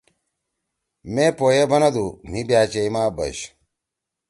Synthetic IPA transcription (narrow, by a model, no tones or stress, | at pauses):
meːpoːjebɐnɐd̪umibjaːt͡ɕeimaːbɐ̰ɕ